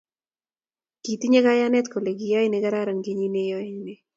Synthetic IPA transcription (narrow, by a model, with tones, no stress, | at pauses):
ki˨t̪i˦ɲɛ˦ɡa˦ja˦nɛ˦t̪ko˨le˨ɡɪ˨jɔ˦ɪ˦nɛ˨ɡa˦ɾa˦ɾa˨ŋɡi˦ɲi˦ne˦jɔ˦ɪ˨ne˦